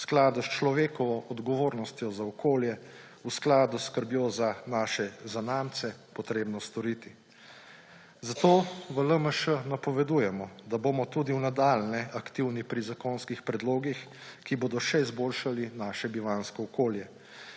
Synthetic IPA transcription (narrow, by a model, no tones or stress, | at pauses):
sklaːd̪ust͡ʃlɔʋeːkɔʋɔʔɔd̪ɡɔʋoːɾnɔst̪jɔzaɔkʰoːljɛ | usklaːd̪uskəɾbjozanaːʃɛzanamt̪sɛpɔt̪ɾeːbnɔst̪ɔɾit̪i | zat̪oːʋələməʃənapɔʋɛd̪ujɛmɔd̪aboːmɔt̪uːd̪iwnad̪aːlnɛʔakt̪iwnipɾizakoːnskixpɾɛd̪loːɡixkiboːd̪ɔʃɛizboːlʃalinaːʃɛbiʋaːnskɔːkoːljɛ